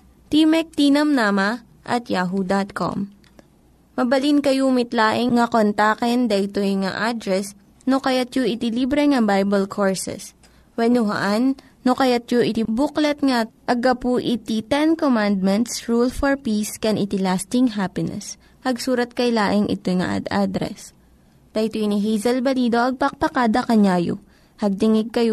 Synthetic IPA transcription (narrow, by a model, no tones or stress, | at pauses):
t̪imɛk̚t̪inɐmnamɐ | ʔɐ̰t̪jaːɦud̪at̪̚ko̰mː | ɐbɐlinkɐjumɪt̪laːʔɪŋŋɐkont̪aːkɛnd̪ɐʔɪt̪oŋa̰ʔad̪ɾɛs | nokɐjat̪joʔɪt̪ɪlibɾɛŋɐbajbɐlkʰoɹsɛ̰s | wɛnuɦɐ̰ʔanː | okɐjat̪̚joʔɪt̪ibuklɛt̪̚ŋaʔɐɡɐpuʔɪt̪it̪ɛnkomand̪̚mɛnt̪sɹulfɔɹpiskɛnʔɪt̪ɪlast̪ɪŋɦapɪnɛ̰s | hɐɡsuːɾɐt̪̚kɐjlaːʔɪŋʔɪ̰t̪ojŋɐ̰ʔa̰d̪ʔa̰d̪ɾɛ̰s | d̪̥ɐʔjt̪ojniɦɛjzɐlbɐliːd̪o̞ʔɐɡ̚pɐk̚pɐkaːd̪ɐkɐɲajo̰ | hɐɡ̚t̪ɪŋɪɡ̚kɐjo